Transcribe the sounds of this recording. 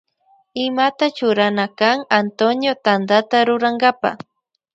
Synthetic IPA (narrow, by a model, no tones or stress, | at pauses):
ɪmat̪at͡ʃʊɾanakaŋant̪onjot̪and̪at̪aɾʊɾaŋɡapa̰